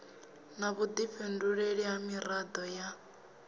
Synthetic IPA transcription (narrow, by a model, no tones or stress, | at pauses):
naβud̪iɸʰenduɺeɺiɦamiɾad̪ɔja